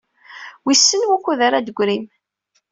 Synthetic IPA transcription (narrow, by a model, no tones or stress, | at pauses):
wisːənwækʷːuðaɾad̪əɡʷɾim